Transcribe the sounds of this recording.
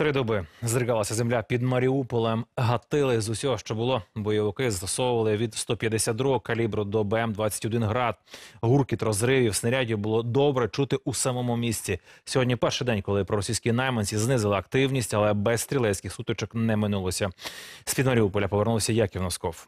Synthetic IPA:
t̪ɾɪd̪ɔbɪzd̪ɾɪɡɑlˠɐsʲɐzemlʲapʲid̪mɐɾʲiupɔlˠemɦɐt̪ɪlˠɪzusʲɔɦɔʃt͡ʃɔbʊlˠɔbɔjɔʋɪkɪzt̪ɔsɔwʊʋɐlˠɪʋʲid̪st̪ɔpʲjɐd̪esʲad̪d̪ɾuɦɔkɐlʲibɾɔd̪ɔbɛɛmd̪ʋɑt͡sʲːɐ̥tʲɔd̪ɪnɦɾɑd̪̚ɦurkit̪ɾɔzɾɪʋʲiwsnɐɾʲadʲibʊlˠɔd̪ɔbɾɛt͡ʃut̪ɪʔusɐmɔmʊmʲisʲt͡sʲisʲɔɦɔdʲnʲipɛrʃɪjd̪ɛnʲkɔlˠɪpɾɔɾɔsʲijsʲkʲinɛjmɐnʲsʲiznɪzɪlˠɪɐk̚t̪ɪwnʲisʲtʲɐlˠɛbɛsst̪ɾʲilˠɛsʲkʲɪxsut̪ɔt͡ʃɔknɛmɪnulˠɔsʲɐspʲid̪mɐɾʲiupɔlʲɐpɔʋernusʲɐjakʲiwnɐskɔw

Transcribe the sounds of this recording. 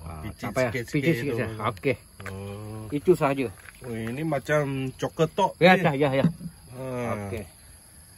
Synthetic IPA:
iapajaspit͡ʃiskesjaoke | it͡ʃusad͡ʒəoinimat͡ʃamt͡ʃokət̪ɔʔjaajajaəoke

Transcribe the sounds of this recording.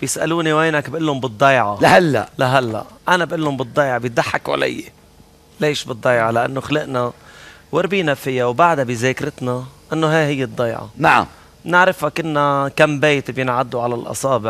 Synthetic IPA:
b̥jɪsʔa̰luːniweːnakbʔɪlːʊmbɨd̪ˤːɑjʕɑlahalːa̰ʔlaɦalːa̰ʔʔanabʔɪlːʊmbɨd̪ˤːɑjʕɑbjɪt̪̚d̪aħːakwʔa̰lɪ̰jːḛ | leːʃbɨd̪ˤːɑjʕɑlaʔa̰nːoxalɪʔnawɪɾbiːnafɪjawbaʕd̪abizeːkɾɪt̪naʔɪnːoɦaːhɪjːɪd̪ˤːɑjʕɑ̰naʕa̰m | mnɪʕɾɪfhakɪnːakambeːt̪bjɪnʕad̪ːuʕalalʔɑ̰sˤɑːbɪʕ

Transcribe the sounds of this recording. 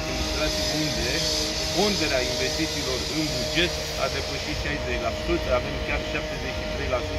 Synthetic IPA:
emost̪ɾat̪sijund̪e̞ | ko̞nd̪e̞ɾeainve̞st̪it̪siːlo̞rɨnbud͡ʒe̞t̪ | a̰d̪e̞pəʃit̪ʃajzet͡ʃʲlasut̪avemd̪kʲarʃap̚t̪e̞zet͡ʃit̪ɾe̞jlasut̪

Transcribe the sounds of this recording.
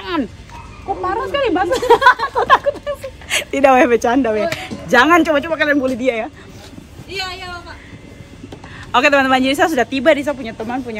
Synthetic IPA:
ŋan | kəmaɾaskalibaŋʊkut̪akʊt̪t̪idaabɛt͡ʃandawjad͡ʒaŋant͡ʃobat͡ʃobakalianbolɛhdiaja | iajaaa | oket̪əmant̪əmand͡ʒiɾis̬as̬udaht̪ibadis̬apuɲat̪əmanpuɲa

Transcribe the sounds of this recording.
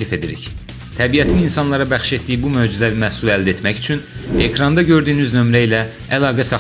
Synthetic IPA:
life̞d̪iɾḭç | t̪ʰæbijæt̪ʰininsɑnlˠɑɾɑbæxʃe̞t̪d̪ijibumøːd͡ʒizævimæhsulˠæld̪æe̞t̪mæçy̥t͡ʃʰyne̞kʰɾɑnd̪ɑɟø̞ɾd̪yːnyznø̞mɾæilæ | ælˠɑːɡæsɑ

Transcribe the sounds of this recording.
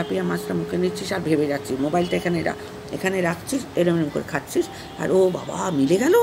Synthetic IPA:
apijamãd͡ʑʈamukʰenit͡ɕʰiʃaɾbʱebed͡ʑatːt͡ɕʰiʃmobajlʈaekʰaneɾa̰ | ekʰaneɾakʰt͡ɕʰiʃelemenemko̰ɾekʰaʈːt͡ɕʰiʃ | a̰ɾoba̰ba̰mileɡɛno

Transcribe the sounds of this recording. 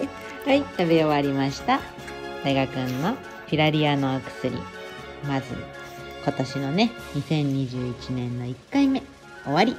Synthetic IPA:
hait̪aβeoβaɾʲimaɕi̥t̪a | d̪̥aiɡakɯ̟̃nːo̞ | pʲiɾaɾʲiano̞ːkɯ̟̥sɨɾʲḭ | mazɨ̰ | kat̪aɕino̞ne̞ɲ̟isẽ̞ɲ̟ːiʑɨːit͡ɕinẽ̞nːo̞ikːaime̞ | o̞βaɾʲi

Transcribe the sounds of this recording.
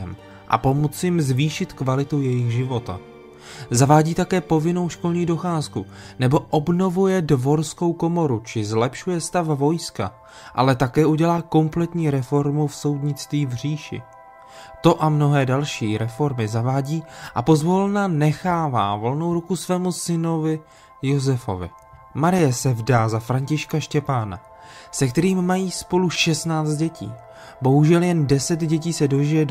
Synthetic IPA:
m | ʔa̰pomot͡sjɪmzviːʃɪt̪kvalɪt̪owjɛjɪxʒɪvo̞t̪a̰ | zavaːɟiːt̪akɛːpo̞vɪno̞wʃko̞lɲiːdo̞xaːsku | nɛbo̞ʔo̞bno̞vujɛdvo̞ɾsko̞wko̞mo̞ɾut͡ʃɪzlɛpʃujɛst̪afvo̞jska̰ | ʔa̰lɛt̪akɛːʔuɟɛlaːko̞mplɛt̪ɲiːɾɛfo̞ɾmufso̞wdɲɪt͡st̪viːvr̝iːʃɪ̰ | t̪o̞ʔamno̞ɦɛːdalʃiːɾɛfo̞ɾmɪzavaːɟiːʔapo̞zvo̞lnanɛxaːva̰ːvo̞lno̞wɾukusvɛːmusɪno̞vɪ | jozɛfo̞̰vɪ̰ | maɾɪjɛsɛvdaːzafɾaɲcɪʃkaʃcɛpaːna̰ | sɛkt̪ɛɾiːmːajiːspo̞luʃɛstnaːt͡st̪̚ɟɛcḭː | bo̞ɦuʒɛljɛndɛsɛt̪ɟɛc̬iːsɛdo̞ʒɪjɛd

